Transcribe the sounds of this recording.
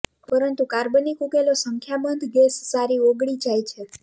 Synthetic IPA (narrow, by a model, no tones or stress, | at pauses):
pəɾənt̪ukaɾbənikukelosəŋkʰjabənd̪ʱɡɛsːaɾioɡɽid͡ʒajt͡ʃʰe